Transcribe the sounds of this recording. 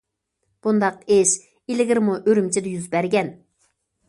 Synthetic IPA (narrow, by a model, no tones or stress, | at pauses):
b̥und̪ɑqeʃ | ilɪɡʲɪɾmuʔøɾymt͡ʃʰid̪ɪjyzbæɾɡʲɛn